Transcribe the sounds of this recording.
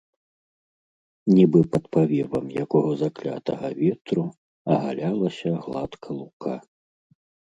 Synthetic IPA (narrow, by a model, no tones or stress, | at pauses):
nʲibɨpɐt̪pavʲɛvɐmjakɔɣɐzaklʲa̰t̪ɐɣɐvʲɛt̪ɾu | ɐɣa̰lʲalˠɐsʲɐɣlˠat̪kʰɐlˠukʰa̰